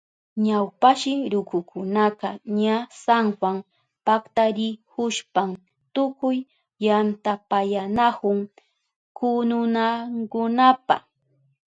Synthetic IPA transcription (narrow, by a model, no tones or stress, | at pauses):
ɲawpaʃɪɾʊkʊkʰʊnaqɑɲasaŋxwam | pakt̪aɾɪhʊʃpam | t̪ʊkʊj | jant̪apajanakʊŋ | kʊnʊnaŋkʊnapa̰